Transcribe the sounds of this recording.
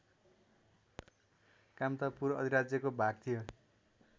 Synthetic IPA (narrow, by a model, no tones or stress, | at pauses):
kamt̪ʌpuɾʌd̪ʱiɾad͡zjʌkobʱaɡ̚t̪ʰijo